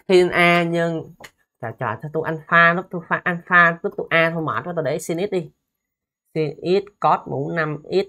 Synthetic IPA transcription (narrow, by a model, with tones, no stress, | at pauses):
t̪i˧nʔaː˧ɲɨ˧ŋ | t̪a̰ː˨˩t͡ɕɔ̰ː˨˩t͡ɕɔ˧t̪u˧ʔa˧nfaː˧nɔ˦˥t̪u˧faː˧ʔa˧nfaː˧lu˦˥t̪u˧ʔaː˧t̪ʰo˧jma̰ː˨˩t̚ɔ˧˦t̪o˧˩ɗe˧˦si˧nʔi˦˥t̚ɗi˧ | si˧nʔi˦˥t̚kɔ˦˥t̚mṵ˨˧˦na˧mʔi˦˥t̚